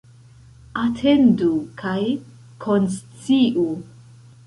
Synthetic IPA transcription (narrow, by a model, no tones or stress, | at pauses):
atʰendukʰaj | kʰonst͡siʔu